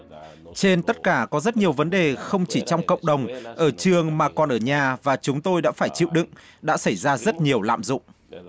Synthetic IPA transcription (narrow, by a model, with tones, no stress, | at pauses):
t͡ɕe˧nt̪ə˦˥t̚kaː˧˩kɔ˨˦zə˦˥t̚ɲi˨˩əwvə˨˦nɗe˨˩xə˧wŋ͡mt͡ɕi˧˩t͡ɕɔ˧wŋ͡mkə̰˧˨wŋ͡mɗə˨˩wŋ͡mʔəː˧˩t͡ɕɨ˨˩əŋmaː˨˩kɔ˨˩nʔəː˧˩ɲaː˨˩vaː˨˩t͡ɕʊ˨˦ŋ͡mt̪o˧jɗa̰ː˧˥faː˧˩jt͡ɕḭ˧˨wɗɨ̰˧˨ŋ | ɗa̰ː˧˥sa˧˩jzaː˧zə˦˥t̚ɲi˨˩əwla̰ː˧˨mzʊ̰˧˨ŋ͡m